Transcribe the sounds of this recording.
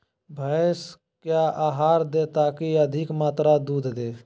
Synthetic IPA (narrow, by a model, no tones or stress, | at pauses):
bʱəːs | kjaʔaːɦaːɾd̪et̪aːkiəd̪ʱɪkmaːt̪ɾad̪uːd̪ʱd̪eː